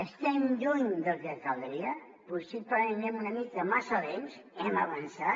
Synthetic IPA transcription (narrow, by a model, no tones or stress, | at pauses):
əst̪ɛmʎuɲd̪əlˠzðəkalˠd̪ɾiə | pusipəennɛmunəmit̪d̪əmasəðemsɛməβənsa